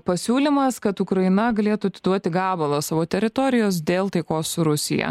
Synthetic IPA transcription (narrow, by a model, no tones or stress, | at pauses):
pɐsʲuːlʲɪmɐskɐt̪uːkɾɐɪnɐɡɐlʲeːt̪uɐt̪ʲɪd̪uɔt̪ʲɪɡɑːbɐlˠɐsɑːʋoːt̪ʲɛɾʲɪt̪ɔɾʲɪjoːs̬d̪ʲeːlˠt̪ɐɪkoːsːʊɾʊsʲɪ̰jɛ̰